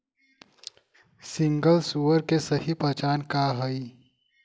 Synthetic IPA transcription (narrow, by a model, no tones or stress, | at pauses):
sɪ̃ŋɡəlsuːəɾkesɐɦipɐt͡ʃaːnkaːɦɐi